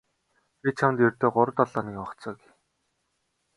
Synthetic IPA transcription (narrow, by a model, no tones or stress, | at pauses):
pit͡ɕʰamnt̪jɵrʲt̪eːɢʊɾə̆t̪ɔɮɔːnikɔχt͡sɔːɡi